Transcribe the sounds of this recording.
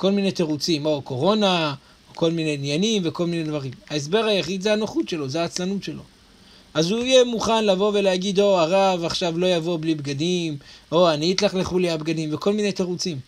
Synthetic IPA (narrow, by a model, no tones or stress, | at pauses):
ko̞lminejt̪eʁut͡simoko̞ʁo̞na | oko̞lmine̞nijanimveko̞lminedvaʁimaes̬be̞ʁajaχid̪zeanoχut̪ʃe̞lo̞zeaːt͡slanut̪ʃelo̞̰ | ʔazuijemuχanlavo̞ve̞leaɡid̪o̞aʁavaχʃavlo̞javo̞blibɡad̪imʔoaniit̪laχleχuliabɡad̪imveko̞lminejt̪e̞ʁut͡sim